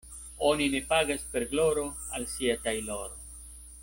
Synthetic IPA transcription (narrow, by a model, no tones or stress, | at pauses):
o̞nine̞paɡaspe̞ɾɡlo̞ɾo̞ | alsiatajlo̞ɾo